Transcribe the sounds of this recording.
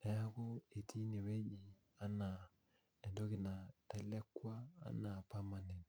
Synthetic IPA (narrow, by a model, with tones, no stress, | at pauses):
ɛ˨˦ja˦ko˦e˨ti˦ne˨we˦ɲi˨ | a˦na˨ | ɛ˨ndo˦kɪ˨na˨tɛ˦lɛ˦kwa̰ː˦na˨pa˦ma˨nɛ˨n